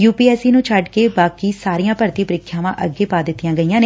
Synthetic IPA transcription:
juːpiːɛːsiːnũːt͡ʃʰəɖkeːbaːkiːsaːɾijãːpəɾt̪iːpəɾɪkʰːjãːʋãːʔəɡːeːpaːd̪ɪt̪ːijãːɡəijãːneː

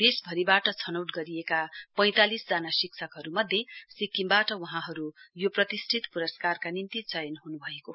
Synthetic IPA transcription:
d̪esbʱʌɾibaʈʌt͡sʰʌnʌwʈɡʌɾijekapʌj̃t̪alisd͡zanasik̚sʰʌkɦʌɾumʌd̪ʱjesikːimbaʈʌwʌɦãɦʌɾujoprʌt̪isʈʰit̪puɾʌskarkanint̪it͡sʌjʌnɦunubʱʌeko

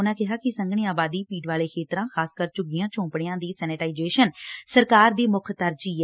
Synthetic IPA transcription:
nãːkɪɦaːkɪsəŋɡɳ̃iːaːbaːd̪iːpiːʈʋaːleːkʰeːt̪ɾãːxʰaːskəɾt͡ʃʊɡijãːt͡ʃõːpɽeːãːd̪iːsɛːnɪʈaːɪd͡ʒeːʃənsəɾkaːɾd̪iːmʊkʰt̪əɾd͡ʒiːɛ

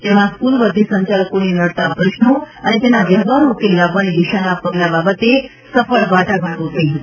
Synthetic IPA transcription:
t̪emãskulʋəd̪ʱisəɲt͡ɕaləkonenəɽt̪apɾəʃɳo | ənet̪enaʋəɦʋaɾokelabʋanid̪iʃanapəɡlababət̪e | səfəɭbaʈaɡʱaʈot̪ʰəiɦət̪

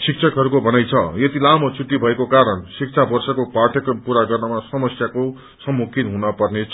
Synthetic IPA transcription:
sik̚t͡sʰʌkɦʌɾukobʱʌnajt͡sʰʌjet̪ilamʌt͡sʰuʈːibʱʌekokaɾʌnsik̚t͡sʰabʌrsʌkopaʈʰʌkʌmpuɾaɡʌrnʌmasʌmʌsjako | sʌmːukʰinɦunʌpʌrnet͡sʰ

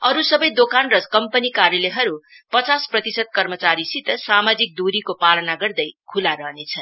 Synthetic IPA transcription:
ʌɾusʌbʌjd̪okanrʌkʌmpʌnikaɾjʌleɦʌɾu | pʌt͡sasprʌt̪isʌd̪̚kʌrmʌt͡saɾisit̪samad͡zik̚d̪uɾikopalʌnaɡʌrd̪ʌjkʰulaɾʌɦnet͡sʰʌn

